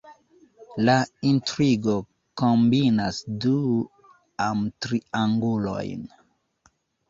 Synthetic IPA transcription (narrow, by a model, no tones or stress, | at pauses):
laintɾiɡo | kombinasdu | amtɾiaŋɡulo̞̰jn